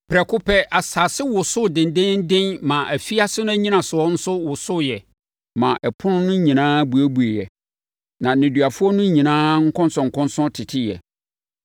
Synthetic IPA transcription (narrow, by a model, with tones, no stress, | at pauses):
pʰɾɛ˨kʰʊ˦pʰɛ˦ʔa˨sa˨sɪ˦wʊ˨sʊ˦dɪ̃˨n˨dɪ̃˦n̩˦dɪ̃˦nmã˨ʔæ˨fi˦a˦sɪ˦nʊ̃˦æ˦ɲĩ˦nã˨sʊ˨ɔ˦n̩˦sʊ˦wʊ˨sʊ˦jɛ˨ | mã˨ʔɛ˨pʰʊ˦nʊ̃˦nʊ̃˦ɲĩ˨nãː˦bu˨æ˦bu˨e˨jɛ˨ | nã˨nɪ̃˨dɥa˨fʊ˦ɔ˦nʊ̃˦ɲĩ˨nãː˦ŋ̩˦kʰɔ̃˦nsɔ̃˨ŋ̩˨kʰɔ̃˦nsɔ̃˦tʰɪ˨tʰɪ˦jɛ̰˨